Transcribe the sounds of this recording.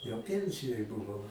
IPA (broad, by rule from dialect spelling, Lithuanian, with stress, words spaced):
jɛʊ ˈpʲiɛnʲsʲɪjoːj bʊˈʋɐʊ